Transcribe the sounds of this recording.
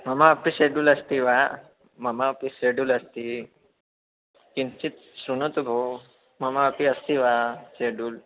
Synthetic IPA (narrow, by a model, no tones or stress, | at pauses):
məmaapiɕeɖulɐst̪iʋa | məmapiseɖuləst̪i | kint͡ɕit̪ | sɾunut̪ubʱo | mɐmaəpiəst̪iʋaseɖuːl